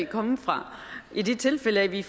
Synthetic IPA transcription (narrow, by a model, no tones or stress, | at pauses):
kʰɒ̽məfʁɑ̈ʔid̥e̝t͡sʰe̝lfeləæʋif